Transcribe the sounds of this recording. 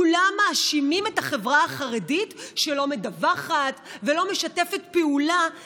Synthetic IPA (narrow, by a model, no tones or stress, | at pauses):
ulamːaːʃimimetaχe̞vʁaaχaʁeditʃe̞lo̞medavaχatvelo̞meʃate̞fe̞tpeula